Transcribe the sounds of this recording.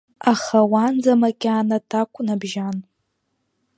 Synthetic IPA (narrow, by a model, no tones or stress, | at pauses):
aχawand͡zamakʲʼanatʰakʷʼʰʊnabʒan